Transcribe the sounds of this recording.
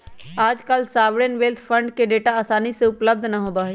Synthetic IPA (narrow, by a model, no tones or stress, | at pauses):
aːd͡ʒkalsaːʋɽenʋeːlt̪ʰfʰə̃ɳɖkeɖeːʈaaːsaːniseʊpləb̚d̪ʱnaɦoːbaːɦe